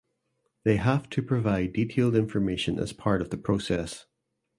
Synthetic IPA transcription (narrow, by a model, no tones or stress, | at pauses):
ðeɦaftʰəpʰɹ̥əvaɪditʰelˠdɪ̃ɱfə˞meʃə̃nə̰z̥pʰaɹʔəvðəpʰɹ̥osɛs